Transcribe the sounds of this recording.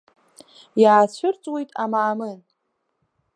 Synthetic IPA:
jaːt͡ɕʷʰʊrt͡sʼwe̞jtʼamaːmɨn

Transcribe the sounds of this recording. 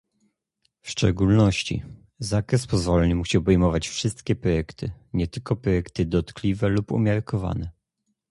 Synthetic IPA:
fʂt͡ʂɛ̰ɡulnɔɕt͡ɕḭ | zakɾɛspɔzvɔlɛɲɘmuɕiɔbɛjmɔvat͡ɕfʂɘst̪kʲɛpɾɔjɛkt̪ʰɘɲɛt̪ɘlkɔpɾɔjɛkt̪ɘd̪ɔt̪klʲivɛlupṵmʲjaɾkʰɔva̰nɛ

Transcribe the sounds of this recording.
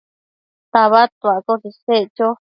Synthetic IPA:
t̪aβat̪akosiset͡ʃo

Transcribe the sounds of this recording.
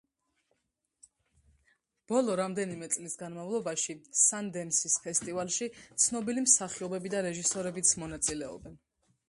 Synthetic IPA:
b̥ɔlˠɔɾamd̪ɛnimɛt̪sʼlisɡanmavlˠɔbaʃisand̪ɛmsispʰɛst̪ʼivalˠʃit̪sʰnɔbilimsaχiɔbɛbid̪aɾɛʒisɔɾɛbit̪sʰmɔnat̪sʼilɛɔ̰bɛn

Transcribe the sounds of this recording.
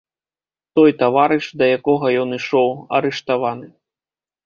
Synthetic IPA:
t̪ɔjt̪avaɾɨʂd̪ɐjakɔɣɐjɔniʂɔwɐ̰ɾɛʂt̪avanɨ

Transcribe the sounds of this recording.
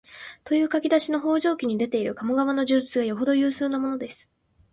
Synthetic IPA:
t̪o̞jɯ̟ːkakʲid̪aɕino̞ɦo̞ːʑo̞ːkʲiɲ̟id̪e̞t̪e̞iɾɯ̟kamo̞ɡaβano̞ʑɨt͡sɨɡajo̞ɦo̞d̪ojɯ̟ːsɨːnamo̞no̞d̪e̞sɨ̥

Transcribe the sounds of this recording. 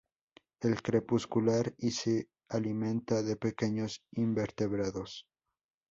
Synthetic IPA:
e̞lkɾe̞puskulaɾise | alimẽ̞nt̪aðe̞pe̞ke̞ɲo̞simbe̞ɾt̪e̞βɾaðo̞s

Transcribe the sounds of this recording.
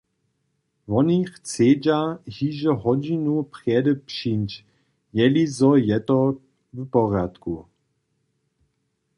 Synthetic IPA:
vɔnixt͡seːd͡ʒahiʒɛɦɔd͡ʑinuprjɛdəpʃint͡ʃ | jɛlizɔjɛt̪ɔ | vpɔrjat̪ku

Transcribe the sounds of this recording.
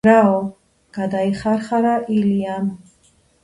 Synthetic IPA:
ɾaɔ | ɡ̥ad̪aiχaɾχaɾaʔiliam

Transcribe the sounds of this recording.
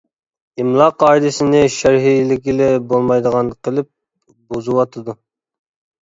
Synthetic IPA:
imlˠɑqʰɑːid̪ɪsɪnɪʃæɾɦilɪkʲilɛbolˠmɑjd̪əʁɑnqʰəlˠɨp̚ | bozuwɑt̪ʰɨd̪u

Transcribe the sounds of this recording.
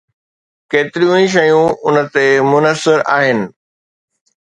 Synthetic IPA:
keːt̪ɪɾijũĩʃ̬ɐjũʊnə̆t̪emʊnəsɪɾa̰ːɦɪnɪ̆

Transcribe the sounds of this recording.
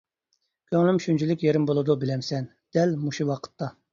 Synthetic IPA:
kʲʰøŋlɪmʃynt͡ʃʰilɪkʲjeɾɪmbolˠɨd̪ubɪlɛmsɛn | d̪̥ɛlmuʃuwɑqʰə̥t̪ːɑ

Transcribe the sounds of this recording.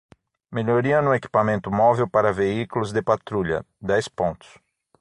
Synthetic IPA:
meʎoɾiɐnʊeki̥pamẽnt̪ʊmɔvewpaɾɐveiklʊzd̪ɪpat̪ɾuʎɐ̰ | d̪ɛjspõnt̪ʊ̥s

